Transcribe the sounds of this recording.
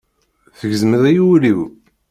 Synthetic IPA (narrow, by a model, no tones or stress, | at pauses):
θəʝzməðæjuwliw